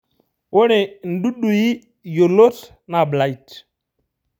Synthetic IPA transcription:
wo˦ne˨n̩˦ɗu˦ɗu˨ji˦ | jo˨lo˦t | na˨bla˨i˨t

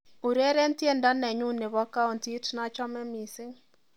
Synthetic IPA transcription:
u˨ɾe˦ɾe˦n˦tje˦ndɔ˦nɛ˨ɲu˦ne˨βɔ˦ka˦ɔ˨nti˦tna˦t͡ʃɔ˦mɛ˦mi˨sɪ˦ŋ

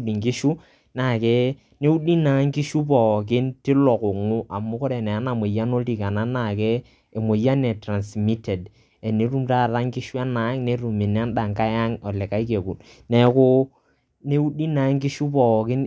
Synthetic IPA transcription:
di˨ŋkɪ˦ʃu˦ | na˨kɛ˦ | ne˦u˦di˦na˨˦ŋkɪ˦ʃu˦p̬ɔ˨k̬ɪ˦ntɪ˦lɔ˨kʊ˨ŋʊ˦ʔa˨mʊ˦kɔ˦ɾɛ˨nɛ˨a˨˦na˨mo˨ja˦no˦lti˨ka˨na˦na˨kɛː˦˨ | mo˨ja˦nɛ˨tɾa˨nsmi˦tɛ˨d | ɛ˨ne˦ɾu˦mta˦˨ða˦ŋkɪ˦ʃu˦a˦na˨˦ŋne˨˦ɾu˨mɪ˨n˦a˦nɗa˨ŋka˦ja˦ŋɔ˨lɛ˨ka˦i˦ke˨ku˨n | nɛ˨˦kʊ˦ | ne˦u˦di˦na˨˦ŋkɪ˦ʃu˦pɔ˨kɪ˦n

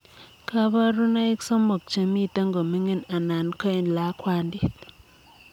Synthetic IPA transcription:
kʰa˦ba˦ɾu˦na˦i˦ksɔ˦mo˨k̚t͡ʃe˨mi˦˨ta˦ŋɡo˨mi˦ŋe˦˨na˨na˨nkɔ˦e˨n˨la˦kwa˦ndi˦

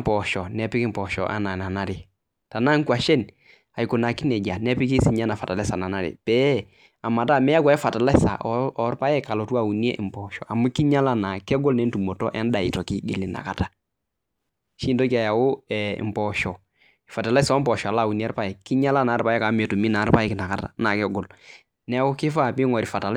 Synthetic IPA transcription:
mpɔ˨ʃɔ˨nɛ˨pɪ˦kɪ˦mpɔ˨ʃɔ̰˨ʔa̰˦na˨na˨na˦ɾɪ˨ | ta˨na˦ŋ˦kwa˨ʃɛ˦n | a˨i˨kʊ˨na˨kɪ˦nɛ˨d͡ʒa˨nɛ˦pɪ˦ki˦si˨ɲa˦na˨fa˨ta˨lɛ˦sa˨na˨na˦ɾɪ̰˨pɛ˦ | a˨ma˨ta˦˨mɛ˦a˦kwa˨ɪ˦fa˨ta˨lɛ˦sa̰˨ʔɔɔ˨˦ɾpa˦jɛ˦ka˨lɔ˨tu˦a˦˨u˨n˦ɛ˦ʔɪ˨mpɔ˨ʃɔ̰˨ʔa˨mu˦ki˦ɲa˦la˦na˨kɛ˦ɡɔ˦lnɛ˨˦n˦tu˨mo˨tɔ˦ʔɛ˦n˦da˨ɪ˨tɔ˨ki˦ɡḛ˨lɪ˨na̰˨ka˨ta˨ | ʃi˦ndo˦ki˦a˨ja˨wʊ˦ɛ˨ɪ̰˨mpɔ˨ʃɔ˨ | ɪ˨fa˨ta˨la˦sɔ˦m˦pɔ˨ʃɔ˨a˨laː˦˨u˨ni˦a˦ɾpa˦ɛ˨kɪ˦ɲa˦la˦na˨˦ɾpa˦jɛ˦ka˨˦m˨e˨tu˨mi˦na˨˦ɾpa˦jɛ˦kɪ˨na˨ka˨ta̰˨na˨kɛ˦ɡɔ˨l | nɛ˦kʊ˦kɪ˦fa˦˨pɪ˦ŋɔ˨ɾi˨fa˨ta˨l

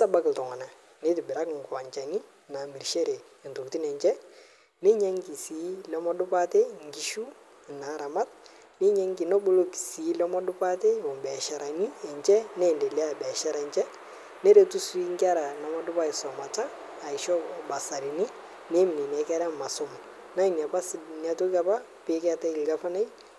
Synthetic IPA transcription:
ta˦ba˦kɪ˨ltɔ˨ŋa˨na˨ | ne˦tɪ˨bɪ˨ɾa˦kŋ˨ɡʊ˨wa˨ɲt͡ʃa˨ni˦ | na˨mi˨ɾʃe˦ɾe˨ntu˨ti˦nɛ˨ɲt͡ʃɛ˦ | ni˦ɲɛ˦ŋki˨si˨˦lɔ˦mɔ˦dʊ˦pa˦te˦˨ŋɡi˨˦ʃu˦˨ | na˨˦ɾa˨ma˦t̚ | nɪ˦ɲɛ˦ŋɡi˨nɔ˦bu˦lo˦ki̥˨si˨˦lɔ˦mɔ˦dʊ˦pa˦te˦ɔ˨mbɛ˨ʃa˨ɾa˨ni˦ɛ˨ɲt͡ʃɛ˦nɛ˦˨nde˨li˦a˦˨bɛ˨ʃa˦ɾa˨ɲt͡ʃɛ˦ | nɛ˦ɾe˨tu˦si˦ŋɡi˦a˦ɾa˨na˨mɔ˦dʊ˦pa˦i˨sɔ˨ma˨t͡ʃaː˦˨ | i˨ʃɔ˦ba˨sa˨ɾi˨ni˦ | ne˦mi˨ni˨nɛ˨˦kɛ˦ɾa˦ma˨sʊ˦m | na˦i˨nja˨pa˦sna˨tu˦ka˦pa˦ | pe˦kɛ˦ta˦i˨lɡa˦fa˦na˦j

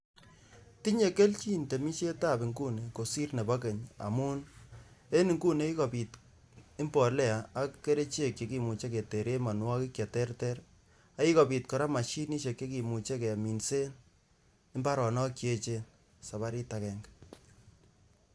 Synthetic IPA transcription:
ti˦ɲe˨ke˦lt͡ʃi˦nte˨mi˦ʃe˦ta˦pɪ˨ŋɡu˦ne˨ko˨si˦rne˨ba˦ke˨ɲa̰˨mu˦n | e˦ni˨ŋɡu˦ne˦i˦kɔ˨pi˨t | ɪ˦mpɔ˨lɛ˦aː˨˦kːe˦ɾe˦t͡ʃe˦˨kje˨ki˨mu˨t͡ʃe˦ke˨te˨ɾe˦ma˨nwɔ˦kɪ˦kja˨tɛ˦rtɛ˦r | a˦i˦kɔ˨pi˨tkɔ˨ɾa˦ma˨ʃi˦ni˦ʃe˨ke˦ki˨mu˨t͡ʃe˦ke˨a˨mi˨nse˦n | ɪ˦mba˦ɾɔ˨nɔ˦kje˦t͡ʃen | sa˨βa˦ɾi˦takɛ˦ŋɡ

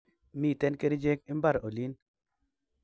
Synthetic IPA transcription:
mi˨tɛ˦nke˦ɾd͡ʒe˦k̚i˦mba˦˨ɾo˨li˦n

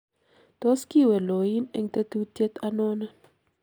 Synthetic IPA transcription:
t̪o˦ski˦wɛ˨lo˨i˦nɛ˨ŋt̪e˦t̪u˦t̪jɛ˦t̪a˦nɔ˦na˦

